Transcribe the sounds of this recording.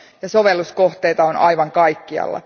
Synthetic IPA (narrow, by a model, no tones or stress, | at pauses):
jɑso̞ʋelːusko̞ht̪eit̪ɑonɑjʋɑŋkɑjkːiɑ̰lːɑ̰